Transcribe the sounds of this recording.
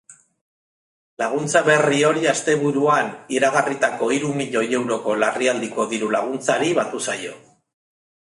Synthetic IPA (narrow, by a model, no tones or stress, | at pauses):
laɣ̞unt͡saβe̞rio̞ɾiast̪e̞βuɾuaniɾaɣarit̪ako̞iɾumiʎo̞je̞wɾo̞ko̞lariald̪iko̞ðiɾulaɣ̞unt͡saɾiβat̪usajo̞